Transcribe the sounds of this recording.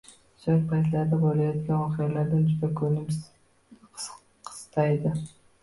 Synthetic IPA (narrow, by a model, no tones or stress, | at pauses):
sɵɾ̚pʰɑjzlɑɾd̪abolʲˠɑjɑt̪ɡʲanwoqijalaɾd̪and͡ʒyd̪akʲʰɵnɪmʰ | qʰə̥st̪ɑjd̪ə